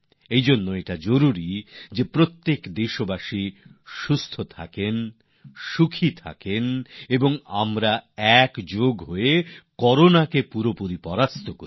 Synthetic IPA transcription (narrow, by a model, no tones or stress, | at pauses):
ejd͡ʑonːoeʈad͡ʑoɾuɾid͡ʑepɾot̪ːekd̪eʃobaʃiʃust̪ʰot̪ʰa̰ken | ʃukʰit̪ʰa̰keneboŋa̰mɾaɛkd͡ʑoɡɦoekɔɾonakepuɾopuɾipɔɾast̪ʰokoɾi